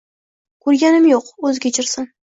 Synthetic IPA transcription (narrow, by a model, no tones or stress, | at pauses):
kʰɵɾɡʲanɪmjoqɵzɡʲet͡ʃʰɪɾsɪn